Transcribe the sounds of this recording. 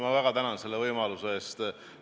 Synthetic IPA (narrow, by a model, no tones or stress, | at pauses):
mɑvæɡ̥ɑt̪ænɑnse̞lːevɤjmɑluseest̪